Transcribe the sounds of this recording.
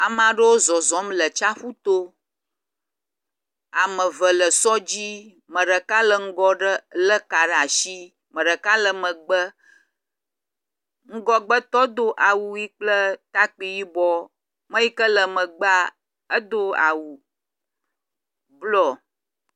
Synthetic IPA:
a˨m˦ã˨ɖə˦wo˦zɔ˨zɔ˨˦mlə˨t͡ʃa˦ɸu˦t̪o˦ | a˨mə̃˨və˨lə˨sɔ˦d͡ʑi˦ | mə̃˨ɖə˨ka˦lə˨ŋ̩˦ɡɔ˦ɖə˦lə˦ka˨ɖa˨ʃi˦ | mə̃˨ɖə˨ka˦lə˨mə̃˨ɡ͡bə˦ | ŋ̩˦ɡɔ˦ɡ͡bə˦t̪ɔ˦d̪o˦ʔa˨wu˨ji˦k͡plə˦t̪a˦k͡pi˨ji˦bɔ˦ | mə̃˦ji˦kə˦lə˨mə̃˨ɡ͡ba˦ | ə˦d̪o˦a̰˨wu˨ | blɔ˦˨

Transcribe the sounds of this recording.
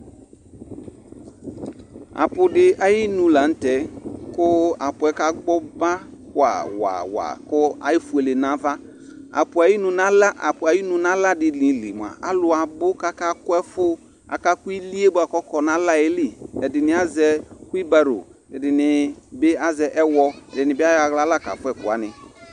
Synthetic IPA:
a̰˨pʊ˨dɪ˨ʔa˨jɪ˦nũ˦la˨n̩˦tɛ˨˦kʊ˦a˨pʊ˨ɛ˦ka˦ɡ͡bɔ˦ba˦kʊ˦a̰˨wa̰˨wa̰˨kʊ˦a̰˨jɪ˦fʊ˨e˨le˨nã˦va˦ | a̰˨pʊ˨a˨jɪ˦nʊ̃˨na˦la˦ʔa˨pʊ˨a˨ji˦nʊ̃˨nã˦la˦dɪ˨lĩ˨˦lḭ˨m˨a̰˨ʔa˦lʊ˨a˨bʊ˦ka˦ka˦kwɛ˦fʊ˦ | a̰˨ka˦kʊ˦i˦li˦e˦ba˨kɔ˦kɔ˨na˦la˦e˦li˦˨ɛ˨dɪ˨nɪ˦a˦zɛ˦kʊ˦i˦ba˦ɾo̰˨ɛ˨dɪ˨nɪ˨bɪ˦a˦zɛ˨ʔɛ˦wɔ˧ɛ˨dɪ˨nɪ˨bɪ˦a˦ja˨ɣla˦la˦˨ka̰˨fʊ˦ɛ˨kʊ̰˨a̰˨˦nɪ˨

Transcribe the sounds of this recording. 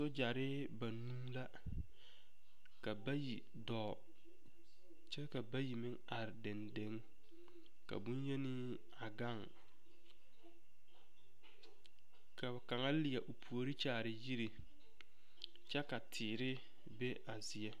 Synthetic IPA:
so˦d͡ʒa˨ɾɪ˦ | ba˨nũ˦la˦ | ka˨ba˦ji˨ | dɔː˨ | t͡ʃɛ˦ka˨ba˦ji˨mɪ˦ŋa˨ɾɪ˨dɛ˨nde˦ŋ | ka̰˨bu˦n˦je˦ni˦ | a˨ɡa˦˨ŋ | ka˨ka˨ŋa˦lɪ˨a˨ʔo˨pʰu˨o˨ɾi˦t͡ʃaː˨ɾɪ˨ji˦ɾi˨ | t͡ʃɛ˦ka˨tʰɪː˨ɾɪ˦ | be˦ʔa˨zɪ˨ɛ˦

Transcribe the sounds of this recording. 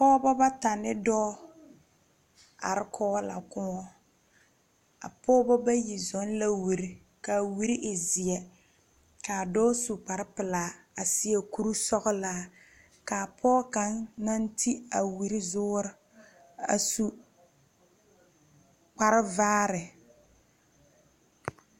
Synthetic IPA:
pɔː˦bɔ˦ba˦ta˨nɪ˦dɔː˦ | a̰˨ɾɪ˦kʰɔː˦la̰˨kʊ˦ŋɔ˦ | a̰˨pʰɔː˦bɔ˦ba˦ji˨zɔ˨˦n˦la˦wi˨ɾi˨ | ka˨wi˦ɾi˦ʔɪ˨zɪ˨ɛ˨ | ka˨dɔː˦su˨k͡pa˨ɾɪ˦pɪ˨laː˨˦ | a˨sɪ˦ɛ˦ku˦ɾu˦sɔ˦ɣʊ˦laː˦ | ka˨pʰɔː˦ka˨nna˦n˦tʰi˦a˨wi˨ɾɪ˦zʊː˦ɾɪ˦ | a̰˨su˦ | k͡pa˨ɾɪ˦vaː˦ɾɪ˨

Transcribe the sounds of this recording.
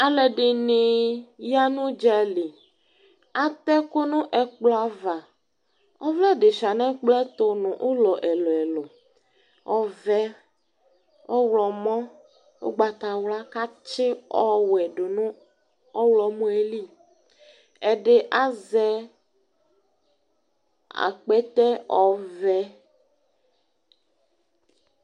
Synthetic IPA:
a˨lɛ˨ɖe˨ne˨ja˦nũ˦d͡ʒɛ˦li˨ | a˦t̪ɛ˦ko˦nũ˦ʔɛ˨k͡plɔ˦a˨va˨ | ɔ˦vlɛ˦ɖe˨fi˨a˨nɛ̃˦k͡plɛ˦t̪o˦nũ˨ʔo˦lɔ˨ʔɛ˨lɔ˨ɛ˨lo˨ | ɔ˦vɛ˦ | ɔ˦wlɔ˨mɔ̃˦ | o̰˦ɡ͡ba˨t̪a˨wla˦ka˦t͡ʃe˦ɔ˦wɛ˨ɖo˨nũ˦ | ɔ˦wlɔ˨mõ˦e˦li˦ | ɛ˨ɖe˦ʔa˦zɛ˦ | a̰˨k͡pɛ˦t̪ɛ˦ɔ˦vɛ˦

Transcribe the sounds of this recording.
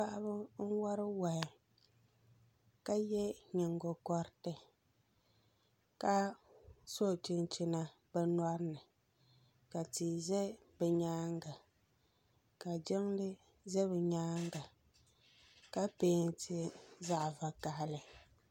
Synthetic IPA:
pa˦ʔa˦bʊ˦ŋ̩˦wa˦ɾɨ˦wa˨ɪ˨ | ka˦jɛ˦ɲɪ˨ŋɡo˨kɔ˦ɾtɨ˨ | ka˦ | so˦˨t͡ʃɪ˨nt͡ʃɪ˨na˨ | bɛ˦nɔ˦ɾnɨ˨ | ka˨ti˨zɛ˦ | bɛ˨ɲaː˦ŋɡa˨ | ka˨d͡ʒɪ˦ŋlɨ˦ | zɛ˦βɛ˨ɲaː˦ŋɡa˨ | ka˦peː˦n˦tʰɪ˦za˦ʔva˨ka˨hlɨ˨

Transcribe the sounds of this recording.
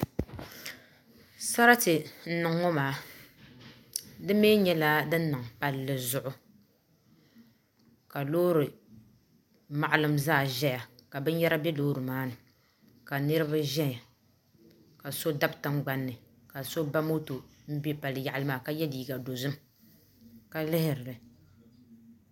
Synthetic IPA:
sa˦ɾa˦tɨ˨n̩˦˨nɨ˨ŋːo˦maː˨˦ | dɨ˦meː˦ɲɛ˦la˦dɨ˦nː˦ɨ˨ŋpa˨lːɨ˨zʊ˨ʔʊ˦ | ka˨loː˦ɾɨ˨ | ma˨ʔa˨lɨ˨mzaː˦˨ʒɛ˦ja˨ka˨bɨ˦n˦jɛ˦ɾa˦bɛ˦loː˦ɾɨ˨maː˦nɨ˨ | ka˨nɨ˦ɾɨ˦ba˦ʒɛ˦˨ | ka˨so˦da˦btɨ˦ŋ͡mɡ͡ba˦nːɨ˨ | ka˨so˦ba˦mo˦to˨m̩˦bi˦pa˨lɨ˨ja˨ʔa˨lɨ˦maː˦˨ka˦jɛ˦diː˨ɡa˨do˨zɨ˦m | ka˨lɪ˦hɪ˨ɾɨ˨lɨ˨

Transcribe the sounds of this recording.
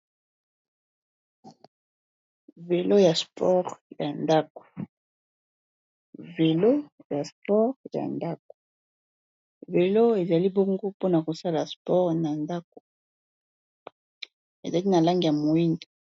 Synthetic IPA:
ve˨lo˦ja˨spʰɔ˦ʁja˨nda˦ko̥˨ | ve˨lo˦ja˨spɔ˦ʁja̰˨nda˦k̚o̥˨ | ve˨lo˦e˨za˨li˦bo˦ŋɡo˦po˦na˨ko˨sa˦la˨spɔ˦ʁna˨nda˦ko̥˨ | ḛ˨za˨li˦na˨la˦ŋɡi˨a˨mo˨i˦ndi˨

